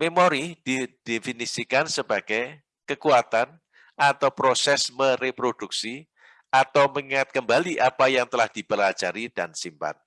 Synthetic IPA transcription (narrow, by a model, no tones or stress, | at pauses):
memoɾid̥id̥ifinisikansəbaɡ̥aj | kəkuat̪an | ʔat̪awpɾosɛsməɾepɾod̥uk̚si | at̪awməŋiŋat̪̚kəmbaliʔapajaŋt̪əlahd̥ipəlḁd͡ʒaɾid̥ansimpa̰t̪̚